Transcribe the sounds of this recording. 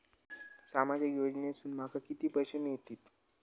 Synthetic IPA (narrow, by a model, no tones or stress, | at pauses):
samad͡ʑəkjod͡ʑnesuːnmakakit̪iːpəɕəmijet̪iːt̪